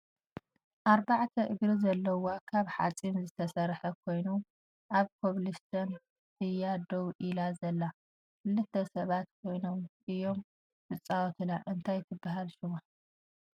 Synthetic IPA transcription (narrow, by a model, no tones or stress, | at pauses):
ʔaɾbaʕt̪ʰɐʔɨɡɾizɐlːɐwokʰaβħa̰t͡sʼimzɨt̪ʰɐsɐɾħɐkʰo̞jnu | ʔaβkʰoβlist̪ʰɐn | t̪ʰɨjad̪owʔilazɐlːa | kɨlːɨt̪ʰːɐsɐβat̪kʰo̞jnomʔɨjːo̞m | fɨt͡sʼːawt̪ʰɨnaʔɨnt̪ʰajt̪ʰɨbːaɦalʃuma